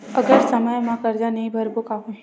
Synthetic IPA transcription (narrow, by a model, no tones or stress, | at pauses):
ɐɡəɾsɐməjmãkɐɾd͡ʒanɐɦĩbʱɐɾbokaːɦũ